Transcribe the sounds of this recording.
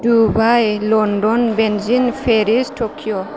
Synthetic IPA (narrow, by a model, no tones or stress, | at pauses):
dubajlɔndɔnbɛnzinpʰeɾistʰɔkʰijɔ